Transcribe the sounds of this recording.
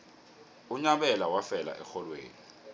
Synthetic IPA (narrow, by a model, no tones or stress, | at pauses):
uɲaɓɛlawafɛla̰ʔɛxɔlwḛːni